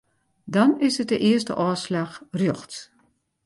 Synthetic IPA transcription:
dɔnɪsət̚dəʔɪəs̬tə̰ʔɔːslaxrjɔxt

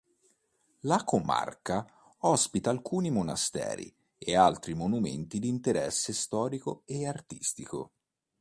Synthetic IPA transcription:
lakoma̰rka | ɔspit̪aːlkuːnimona̰st̪ɛ̰ːɾḭ | ealt̪ɾimonumḛnt̪id̪iːnt̪eɾɛsːest̪ɔːɾikoeart̪i̥st̪iko̰

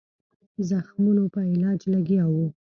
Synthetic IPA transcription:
zaxmunopəɪlɑd͡ʒlaɡjɑwu

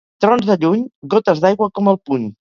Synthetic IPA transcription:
t̪ɾɔnzðəʎuɲɡot̪əzðajɣwəkɔməlˠpuɲ

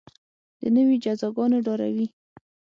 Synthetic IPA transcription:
d̪̥ənəwid͡ʒazɑɡɑnoɖɑɾa̰wi

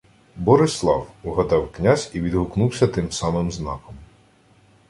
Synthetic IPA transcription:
bɔɾɪslˠɑwʊɦɐd̪ɑwknʲazʲiʋʲid̪ɦʊknuwsʲɐt̪ɪmsɑmɪmznɑkɔm

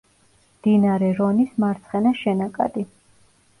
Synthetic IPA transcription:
md̪̥inaɾɛɾɔnismaɾt̪sʰχɛnaʃɛnakʼa̰d̪i

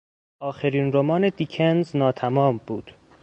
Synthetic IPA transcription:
ʔɒːxeɾiːnɾomɒːne̞d̪icʰenznɒːt̪ʰæmɒːmbuːd̪̥

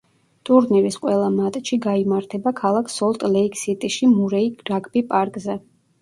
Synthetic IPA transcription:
t̪ʼuɾniɾisqʼwɛlˠamat̪ʼʃiɡaimaɾt̪ʰɛbakʰalˠakʰsɔlˠt̪ʼlɛikʰsit̪ʼiʃimuɾɛiɡɾaɡʼbipʼaɾkʼzɛ

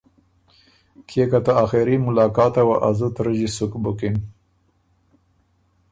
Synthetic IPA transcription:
kʰekat̪aaxeɾimʊlɑːkɑːt̪awaʔazut̪ɾəʒisukbukin

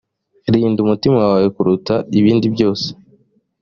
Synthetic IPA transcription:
ɾiːndumutimawaβajekuɾutaiβiːndibjo̞ːse̥

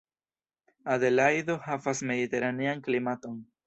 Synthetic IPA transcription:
aðe̞lajdo̞havasme̞dite̞ɾanianklimato̞n

